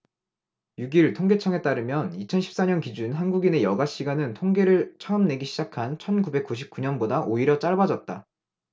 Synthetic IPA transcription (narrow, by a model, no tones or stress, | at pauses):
juɡiɭtʰoŋɡe̞t͡ɕʰʌŋe̞t͈aɾɯmjʌnit͡ɕʰʌnɕʰip̚s͈aɲʌnkid͡ʑunɦanɡuɡine̞jʌɡaɕ͈iɡanɯntʰoŋɡeɾɯɭt͡ɕʰʌɯmne̞ɡiɕʰid͡ʑakʰant͡ɕʰʌnɡube̞k͈uɕ̬ʰip̚k͈uɲʌnbodaʔoiɾjʌt͡ɕ͈aɭbad͡ʑʌt̚t͈a̰